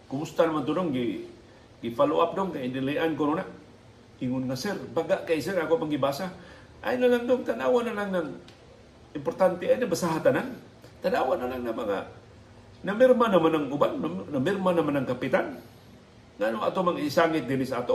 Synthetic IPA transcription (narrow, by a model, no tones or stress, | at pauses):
kʊmust̪anamant̪unoŋɡi | ɡifaluap̚doŋkaidiliʔankonuna | iŋʊnŋasɛrbaɡaʔkais̬ɛrakopaŋɡibasa | ʔa̰inalaŋdʊŋt̪anawanalaŋnaŋ | impɔrt̪ant̪ɛainaŋbasaɦat̪anan | t̪anawanalaŋnamaŋa̰ | namɪrmanamanaŋubannamɪrmanamanaŋkapit̪an | ŋanoŋa̰t̪omaŋisaŋit̪̚ɡinisaat̪o